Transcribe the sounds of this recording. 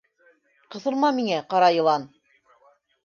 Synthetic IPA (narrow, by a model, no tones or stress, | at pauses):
qɤ̆θɤ̆lˠmɑmiŋæqɑɾɑjɤ̆lˠɑn